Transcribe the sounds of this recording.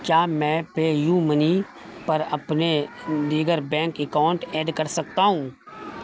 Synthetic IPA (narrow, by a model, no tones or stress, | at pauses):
kjaːmɛ̃ːpeːjuːməni | pɐɾɐpned̪iːɡəɾbɛ̃ːŋkɪkãːɳʈeːɖkɐɾsɐk̚t̪aɦũː